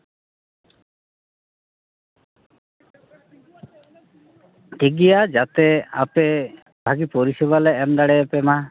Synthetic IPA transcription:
ʈiɡijad͡ʒat̪ea̰pe | bʱaɡipoɾisɛbalɛːmd̪aɽɛɛpɛma

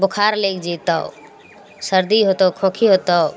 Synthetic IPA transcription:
bukʰaɾlekd͡ʒit̪ɔ̰w | səɾd̪iɦot̪ɔwkʰokʰiɦot̪ɔ

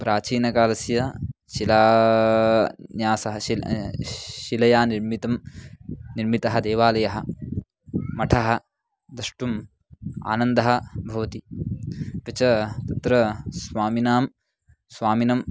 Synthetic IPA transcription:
pɾaːt͡ʃiːnɐkaːlɐsjɐʃilaː | njaːsɐɦɐi | ʃilɐjaːniɾmit̪ɐm | niɾmit̪ɐɦɐd̪eːʋaːlɐjɐɦɐ̆ | mɐʈʰɐɦɐ̆ | d̪ɐʂʈum | a̰ːnɐnd̪ɐɦɐ̆bʱɐʋɐt̪i | ʋɐt͡ʃɐt̪ɐt̪ɾɐsʋaːminaːm | sʋaːminɐm

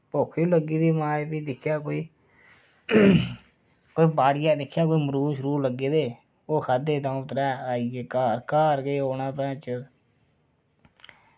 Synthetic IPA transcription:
poːkʰjũːləɡiːd̪iːmaːjpiːd̪ɪkʰjaːkoːiː | koːiːbaːɽɪjaːd̪ɪkʰːjaːkoːiːməɾuːʃəɾuːɾləɡːeːd̪eː | oːkʰaːd̪eːt̪ãːt̪ɾɛːaːieːkaːɾkaːɾɡeːoːnãːpɛ̃ːt͡ʃə

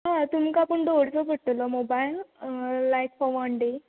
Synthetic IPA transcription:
ɦãt̪umkaːpəɳɖoɽt͡sɔbʱəɽʈəlɔmobailː | ajkfɔʋɔɳɖe

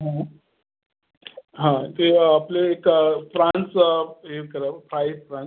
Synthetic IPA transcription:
ɦã | ɦãt̪eapleekfɾãnseɾkəɾəpɾajfɾãn

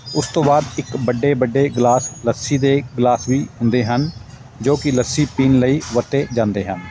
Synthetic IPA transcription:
ʊst̪õːbaːd̪ɪkbəɖːeːbəɖːeːɡlaːsləsiːd̪eːɡlaːsʋiːɦʊnd̪eːɦən | d͡ʒoːkɪləsiːpiːnləiːʋət̪ːeːd͡ʒãːnd̪eːɦən

